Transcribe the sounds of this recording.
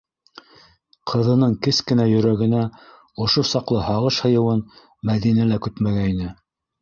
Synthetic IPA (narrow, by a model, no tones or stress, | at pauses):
qʰɤ̆ðɤ̆nɤɴkɘskɘ̆næjɵ̆ɾæɡɘ̆næ | ŏʃosɑqlˠɤhɑʁɤʃhɤ̆jɤ̆wɤn | mæðinælækʉt̪mæɡæinɘ